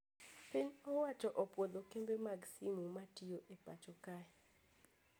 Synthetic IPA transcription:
piɲɔwat͡ʃɔʔopwod̪okembemaɡsimumatioʔepa̰t͡ʃɔkaɛ

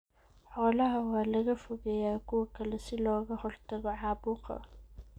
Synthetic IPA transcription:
ħɔːlɐɦɐwɑːlɐɣɐfʊɣɛjaːkʰʊwɐkʰɐlɛsɪlɔːɣɐhɔrt̪ʰɐɣɔʕɑːbuːqɐ̰

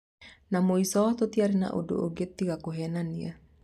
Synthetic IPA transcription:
namoisɔt̪ot̪iaɾina̰ʔṵdo̰ʔoɡet̪ːikakuɦɛnania

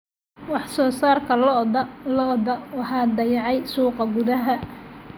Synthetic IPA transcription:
wɑħsɔːsaːrkʰɐlɔdlɔd̪ɐwɑħɑːd̪ɐjɑʕɑjsuːqɑɡʊðɐɦɐ

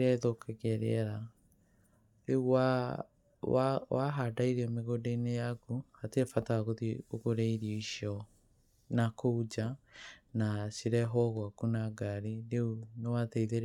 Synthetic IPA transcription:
ɾaðokɛɣɛɾḛɛɾa | ɾeuwa | wawaɦadaiɾɛmeɣodeinejakuhatefataɣoðioɣoɾɛiɾiiʃɔ | nakoud͡ʒanasiɾɛɦɔɣwakunaɡaɾiɾeunewateiðeɾ

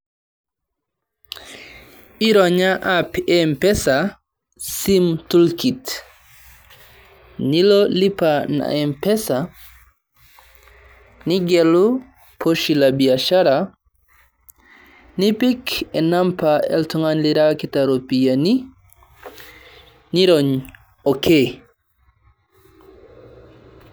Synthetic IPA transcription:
iɾɔɲaʔapɛmpɛsa | simtulkit | nilɔlipana̰ɛmpɛsa | niɡɛlu | pʰoʃilabiaʃaɾa | nipikɛnampaɛ̰ltuŋanliɾakitaɾopijani | niɾɔɲ | ɔkʰe

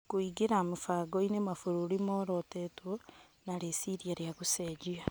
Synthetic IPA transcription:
kwiːɡiɾamufaːɡoinemafuɾuɾimoːɾotetwo | naɾesiɾjaɾjakuseɟia

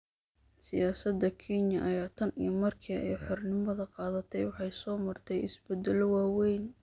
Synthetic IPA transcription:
sɪjaːsɐd̪ɐkʰinjɐʔɐjaːt̪ʰɐnḭjɐmɐrkʰiːɛjħɔrnɪmɐðɐqɑːðɐt̪ʰɛjwɑħɑjsɔːmɐrt̪ʰɛjɪ̰sbɛd̪ɛlɔwɑːwɛjn

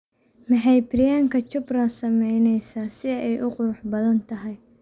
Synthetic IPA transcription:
mɐħɑjbrɪjaːŋkʰɐt͡ʃʊbrɐsɐmɛjnɛjsaːsɪɛjʔʊqʊɾʊħbɐðɐnt̪ʰɐɦɛj

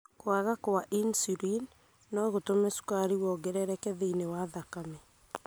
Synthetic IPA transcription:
koaɣakoaʔinsiɾinː | ɔɣotomɛsu̥kaɾiwɔɡɛɾɛɾɛkɛðeinewaðakamɛ

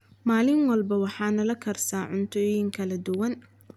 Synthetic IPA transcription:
maːlɪŋwɐlbɐwɑħɑːnɐlɐkʰɐrsaːʕʊnt̪ʰɔːjɪŋkʰɐlɐd̪ʊwɐn

